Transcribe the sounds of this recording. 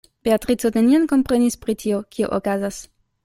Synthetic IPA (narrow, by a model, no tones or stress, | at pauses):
b̥eat̪ʁit͡soteniankompʁenispʁit̪iokʰio̰ʔokazas